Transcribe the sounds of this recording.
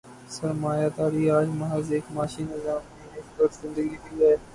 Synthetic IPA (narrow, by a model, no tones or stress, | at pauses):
səɾmaːjaːd̪aːɾiːaːd͡ʒmaɦəzeːkmaːʃiːnəzaːmẽːekbəɾzɪ̃nd̪əɡiːt̪iːlaeː